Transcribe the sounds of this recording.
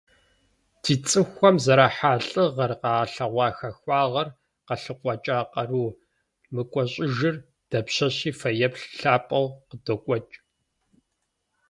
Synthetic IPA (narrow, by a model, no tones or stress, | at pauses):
dʰiːt͡sʼɨxʷɔmzɐɾaːħaːɬʼɨʁɐrqɑːɬɐʁʷɑːxɐxʷɑːʁɐr | qɐɬɨqʷʼɑt͡ʃʼaːqɐruː | mɨkʷʼɔɕʼɪʒɨr | d̥ɐpɕɐɕiːfɐjɛpɬɬaːpʼɐwqədɔkʷʼɔt͡ʃʼ